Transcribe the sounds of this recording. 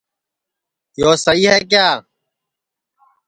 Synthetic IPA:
joːsəiːɦɛːk̬jaː

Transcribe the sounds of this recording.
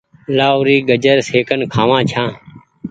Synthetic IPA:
laːʊɾiːɡəd͡ʒəɾseːkənkʰaːʋãːt͡ʃʰãː

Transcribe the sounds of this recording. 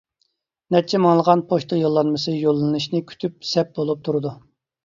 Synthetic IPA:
nɛt͡ʃʰːɛmɑŋlˠəʁɑnpʰoʃt̪ʰɑjolˠːɑnmɨsɨjolˠːɨnɨʃnɨkʲʰy̥t̪ʰyp̚sɛp̚b̥olˠup̚t̪ʰuɾɨd̪u

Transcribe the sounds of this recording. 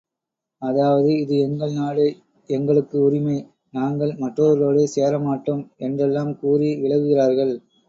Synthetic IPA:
ɐðaːʋɐðɯɪðɯɛŋɡɐɭnaːɭe | ɛŋɡɐɭɯkːɯʊɾɪmɐɪ | naːŋɡɐɭmɐʈroɐɾloːɽeːseːɾɐmaːʈːɯmɛndrɛlːaːmkuːriʋɪɭɐɣɯɣɪraːɾɣɐɭ

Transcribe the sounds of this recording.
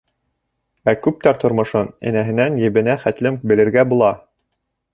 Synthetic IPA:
ækʉp̚t̪æɾt̪ŏɾmŏʃɤnɘ̰̆næɦɘ̆nænjɘ̆βɘ̆næχæt̪lɘmbɘ̆lɘ̆ɾɡæbulˠɑ

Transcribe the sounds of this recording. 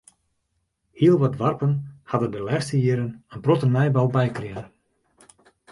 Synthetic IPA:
hiəlˠʋatʋarpənhadəndəlɛːxstəjɪəɾənənprotənɛjbalˠbɛjkrɪə

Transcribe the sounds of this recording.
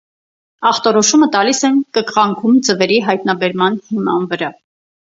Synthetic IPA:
ɑχt̪ɔɾɔʃumət̪ɑlisɛnkəkʁɑŋkʰumd͡zəvɛɾiɦɑjt̪nɑbɛɾmɑnhimɑ̰nvəɾɑ

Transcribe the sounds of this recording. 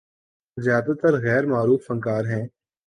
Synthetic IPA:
zjaːd̪at̪əɾɣɛːɾmaːɾuːfɐ̃ŋkaːɾɦɛ̃ː

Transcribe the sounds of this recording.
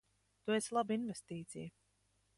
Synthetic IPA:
t̪ueslˠabinvest̪iːt̪sḭj

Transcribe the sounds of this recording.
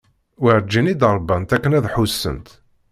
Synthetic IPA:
wəɾd͡ʒːinid̪əɾˤbɑnt̪ækːənæðħusːə̰nt̪

